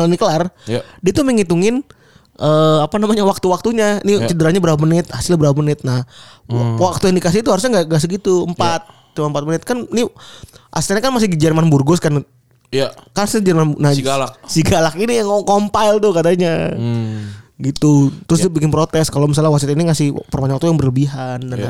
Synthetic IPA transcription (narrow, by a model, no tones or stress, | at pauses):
alanikəlardiait̪uməŋit̪uŋɪn | ʔəapanamaɲawak̚t̪uwak̚t̪uɲanit͡ʃədəɾaɲabəɾapamənɪt̪̚hasɪlɲabəɾapamənɪt̪̚nah | wak̚t̪ujaŋdikas̬ɪhit̪uhaɾus̬ɲaɡaŋɡas̬əɡit̪uəmpat̪̚ | tumaəmpat̪̚mənɪt̪̚kanniʔa̰st̪aɲakanmas̬ɪhɡid͡ʒərmanburɡʊskan | kasɲad͡ʒərmannaɡalasiɡalakinijaŋkompajlt̪ʊkat̪aɲa | ɡit̪ut̪ɾʊs̬dibikɪnpɾot̪ɛskalomis̬alawaksiat̪iniŋasɪhpərmaɲwak̚t̪ujaŋbərləbiɦandana